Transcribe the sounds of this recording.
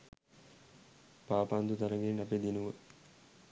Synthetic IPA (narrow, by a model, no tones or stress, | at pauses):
paːpand̪ut̪aɾəŋɡenaped̪inuʋə